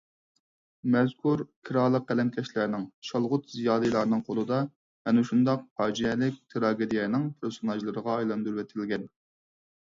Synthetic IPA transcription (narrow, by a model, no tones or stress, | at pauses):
mɛzkʰuɾkʲʰiɾɑːlˠəq̚ːælɛmkʲʰɛʃlæɾnɪŋʃɑlˠʁʊt̪zijɑːlɨjlˠɑɾnɨŋqʰolˠɨd̪ɑ | hɛnuʃund̪ɑq̚pʰɑːd͡ʒiɛlɪk̚ʲt̪ʰɨɾɑːɡʲed̪ijɛnɪŋpʰɪɾsonɑʒlˠɨɾəʁɑɑjlˠɑnd̪uɾwɛt̪ʰɪlɡʲɛn